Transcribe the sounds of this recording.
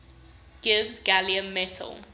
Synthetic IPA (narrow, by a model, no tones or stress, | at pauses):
ɡ̥ɪvzɡaliə̃mːɛtʰə̰lˠ